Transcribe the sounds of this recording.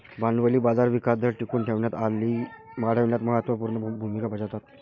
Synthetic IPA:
banʋəliːbad͡zaɾʋikasd̪ʱəɾʈikuːɳʈʰeʋɳjat̪alːiː | maɽ̤əʋɳjat̪məɦət̪ʋəpuɾnəbʱumikabʱəd͡ʑat̪at̪̚

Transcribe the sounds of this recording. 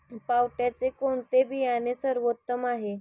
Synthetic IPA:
pawʈjat͡sekoɳt̪ebijanesəɾʋot̪ːəmaɦe

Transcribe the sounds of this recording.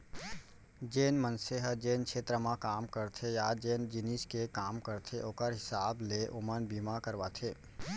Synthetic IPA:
d͡ʒeːnmənseɦəd͡ʒeːnkʃeːt̪ɾəmãkaːmkəɾt̪ʰejad͡ʒeːnd͡ʒɪniskekaːmkəɾt̪ʰeʔoːkəɾɦɪsaːbleʔʊmənbiːmakəɾʋaːt̪ʰeː

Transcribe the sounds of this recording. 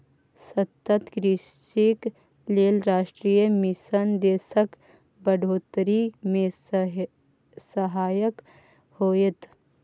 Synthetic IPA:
sɐt̪ːət̪kɾɪst͡ʃik | leːlɾaːʃʈɾiːjəmɪsənd̪eːsək | bəɖʱoːt̪ɾimẽ | səɦaːjək | hoːjet̪

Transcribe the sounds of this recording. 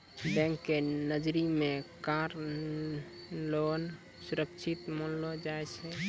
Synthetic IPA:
bɛ̃ŋkːenəd͡ʒɾimekaɾ | lon | suɾəkt͡ʃʰit̪mənlod͡ʒaɛt͡ʃʰɛ

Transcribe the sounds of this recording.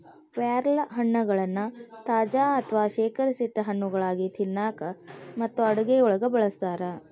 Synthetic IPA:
ʋaːɾɐlɐɦɐɳːɐɡɐɭɐnːut̪aːd͡ʒaːɐt̪ʰɐʋaːʃeːkɐɾɐsiʈːɐɦɐɳːuɡɐɭaːɡit̪ʰinːaːkɐmɐt̪ːuɐɽuɡeɔɭɐɡɐbɐɭɐst̪aːɾɐ

